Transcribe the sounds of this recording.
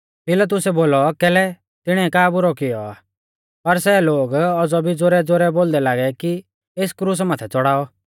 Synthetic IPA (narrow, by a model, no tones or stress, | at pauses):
pɪlat̪̬ʊsɛboːlɔkɛːlɛ | t̪ɪɽ̃ɛɛkaːbʊɾɔkɪjɔa̰ː | pɐɾsɛloːɡɔd͡zɔbʱid͡zoɾɛd͡zoɾɛboːld̪ɛlaːɡɛki | eːskɾuːs̬maːt̪ʰɛt͡sɔɽaːɔ